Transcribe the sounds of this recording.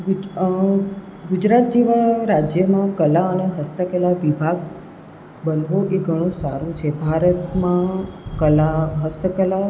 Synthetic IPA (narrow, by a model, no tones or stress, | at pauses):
ɡ | ɡʊd͡ʒɾat̪̚d͡ʒeʋaɾad͡ʒjəmãkəlaəneɦəst̪əkəlaʋibʱaɡ | bənʋoʔeɡʱəɽ̃ũsa̰ɾũt͡ʃʰebʱaɾət̪mãkəlaɦəst̪əkəla